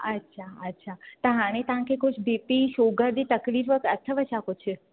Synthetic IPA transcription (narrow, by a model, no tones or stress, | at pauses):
ətːʃʰaətːʃʰat̪əɦãnet̪ãkekʰuʃbepiʃoɡəɾd̪it̪əklifəkət̪ʰːəʋəʃakot͡ʃʰe